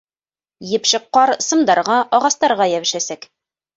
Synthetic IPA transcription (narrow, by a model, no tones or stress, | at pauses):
jɘ̆pʃɤ̆qːɑɾsɤ̆md̪ɑɾʁɑʔɒʁɑst̪ɑɾʁɑjæβɘ̆ʃæsæk